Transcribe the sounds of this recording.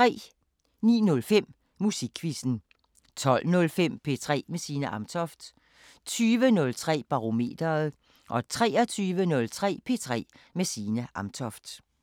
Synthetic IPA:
t͡sʰʁɛ̰ː | nḭːnɔ̽lfem̰ | musiɡ̥ʰʋisn̩ | t͡sʰɒ̽l̰nɔ̽lfem̰pʰe̝t͡sʰʁɛ̰ːmesiːnəʔɑ̈mt͡sʰɒ̽fd̥ | t͡sʰyːʋənɔ̽lt͡sʰʁɛ̰ːb̥ɑ̈ʁo̝me̝̰ːd̥ɐð̩ˠ | ʔɒ̽t͡sʰʁɛːɐt͡sʰyːʋənɔ̽lt͡sʰʁɛ̰ːpʰe̝̰ːt͡sʰʁɛ̰ː | mesiːnəʔɑ̈mt͡sʰɒfd̥

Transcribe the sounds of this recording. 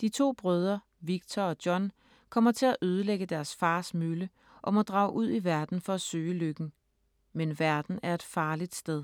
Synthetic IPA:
d̥it͡sʰo̝̰ːb̥ʁœːð̞ˠɐ | ʋiɡ̥̚t͡sʰɒɒ̽d̥jɒ̽n | kʰɒ̽m̰ɐt͡sʰe̝læʔøːð̞ˠəleɡ̥əd̥æɐsfɑ̈ːsmylə | ʔɒ̽mɒ̽d̥ʁɑ̈ʊʔuð̞̰ˠiʋæɐd̥n̩fɒ̽æsø̰ːløɡ̥n̩ | menʋæɐd̥n̩æɐe̝d̥fɑ̈ːlid̥sd̥eð̞ˠ

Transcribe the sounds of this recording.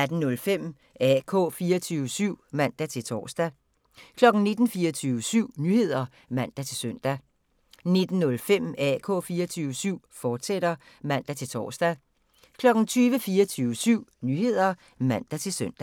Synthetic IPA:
æd̥n̩nɔ̽lfem̰ | ɛkʰɔ̰̽ːfiːɐt͡sʰyːʊəsyʊ̰mæn̰d̥æt͡sʰe̝lt͡sʰɒ̰ːsd̥æ | kʰlɒ̽ɡ̥n̩ne̝d̥n̩fiːɐt͡sʰyːʋəsyʊ̰nyːhe̝ð̞̰ˠɐ | mæn̰d̥æt͡sʰe̝lsœn̰d̥æ | ne̝d̥n̩nɔ̽lfem̰ɛkʰɔ̰̽ːfiːɐt͡sʰyːʋəsyʊ̰fɒːd̥seɾ̥ɐ | mæn̰d̥æt͡sʰe̝lt͡sʰɒ̰ːsd̥æ | kʰlɒ̽ɡ̥n̩t͡sʰyːʋəfiːɐt͡sʰyːʋəsyʊ̰nyhe̝ð̞̰ˠɐ | mæn̰d̥æt͡sʰe̝lsøn̰d̥æ

